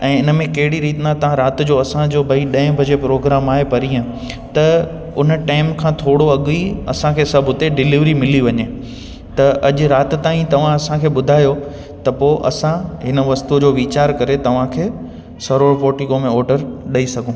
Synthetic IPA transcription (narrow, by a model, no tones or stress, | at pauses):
ɛ̃ːɪnə̆mẽkɐɦɪɽiɾiːt̪nãt̪ɐʋ̤ãɾaːt̪d͡ʑoːɐsãd͡ʑoːbʱɐiɗɐ̃ɪ̃bʱɐd͡ʑepɾoːɡɾaːmaːɦepɐɾiə̃ | t̪ɐ | ʊnəʈaːɪmkʰãːt̪ʰoːɽoɐɠiɐsãkʰeːsɐbʱʊt̪eɖɪlɪʋɾimɪliʋɐɲe | t̪ɐʔɐʄʊɾaːt̪t̪aːĩt̪ɐʋ̤ãɐsãkʰeːɓʊd̪ʱaːjo | t̪ɐpoːʔɐ̰sãɦɪnə̆ʋɐst̪ud͡ʑoːʋiːt͡ɕaːɾkɐɾet̪ɐʋ̤ãkʰeː | sɐɾoːɾpoːʈɪɡomẽɔːɾɖəɾɗɐisɐɡʱũː